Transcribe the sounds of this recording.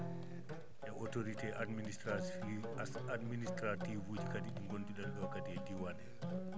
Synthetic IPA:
ʔɛʔɔtoɾitɛʔadministɾa | administɾativuːd͡ʒikadiɗiŋɡondiɗalɗɔkadɛdiwanɛ

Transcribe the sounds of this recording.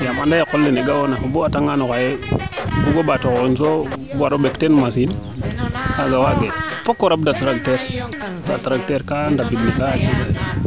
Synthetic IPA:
jamandajekolːineɡawonafubuataŋɡanokajebuɡobatokoinsobaɾoɓektenmas̬in | kaɡawaɡefokːoɾab̚datɾakteɾ | datɾak̚teɾkandabidnikat͡ʃie

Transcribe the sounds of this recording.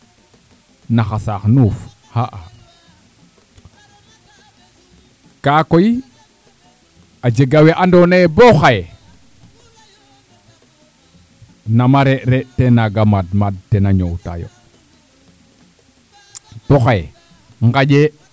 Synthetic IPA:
naxasaxnuf | haʔa | kakoji | ad͡ʒeɡaweʔandoneboxaje | namaɾeʔɾetenaɡamadmad̚tenaɲowta̰jo̰ | b̥oxaj | ŋɡaɟe

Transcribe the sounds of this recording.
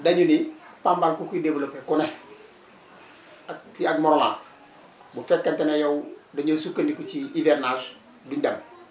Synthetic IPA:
daɲunipambaŋkukidevulopekune | kiaɡmoɾola̰ | bufekːantenajowdaɲusukːanikut͡ʃiiveɾnal | duɲdam

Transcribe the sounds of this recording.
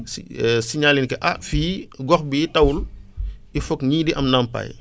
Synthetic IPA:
ssiɲalinkɛʔafiːɡɔxbitɐwul | ifɔkɲiːdiʔɐmnampa̰j

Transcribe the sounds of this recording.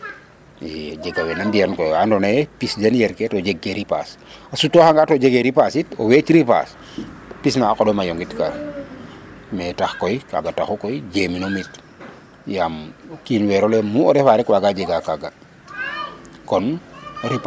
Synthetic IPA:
ɛɟeɡawenamdiaɾnkojandonepisd͡ʒenjɛɾketoɟeɡːeɾipa̰ːsasutːohaŋɡatoɟeɡeɾipasito̰wet͡ʃɾipa̰s | pisnaːkodomajoŋɡitka̰ | mɛtaxkojka̰ɡataxokojɟeminomit | jamkinweɾolemuoɾɛfaɾɛkwaɡaɟeɡakaɡa | kɔnɾip

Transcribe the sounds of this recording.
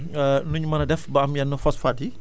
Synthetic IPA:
ənuɲmanadɛfbaʔamjanːɔfɔsfadi

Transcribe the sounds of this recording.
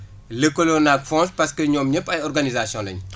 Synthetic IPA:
lekːolonak̚fɔ̃nspɐskəɲɔːmɲəpːɐjɔrɡanizasjɔ̃lɐɲ

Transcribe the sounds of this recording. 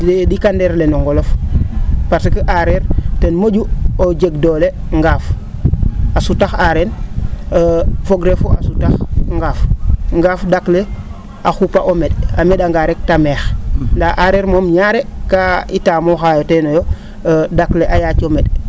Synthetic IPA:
ddikandeɾlenoŋɡɔlof | paɾsikəʔaɾeɾtenmoɟuoɟeɡdoːle | ŋɡaːf | asutaxaɾen | foɡɾefuʔasutaxŋɡaːfŋɡaːfdakle | axupaʔomeda̰meɗaŋɡaɾek̚tameːxndaaɾeɾmomɲaɾekaitaːmɔxajotɛnojo | dakleʔajaːt͡ʃomɛd

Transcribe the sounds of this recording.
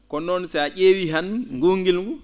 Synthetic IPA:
kɔnːɔnsɛaʔeːwiɦanŋɡuŋɡilɡu

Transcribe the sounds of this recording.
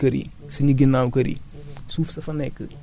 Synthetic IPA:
kɐɾḭ | siɲuɡinːaːwkɐɾḭ | suːfsɐfɐnɛkːə

